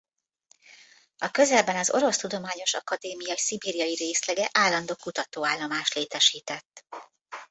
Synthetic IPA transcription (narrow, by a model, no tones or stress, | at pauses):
ɒkø̞zɛlbɛnɒzo̞̰ɾo̞st̪ud̪o̞maːɲo̞ʃɒ̰kɒd̪eːmijɒisibiːɾijɒjiɾeːslɛɡɛʔaːlːɒnd̪oːkut̪ɒt̪oːaːlːomaːʃt̪leːt̪ɛʃiːt̪ɛt̪ː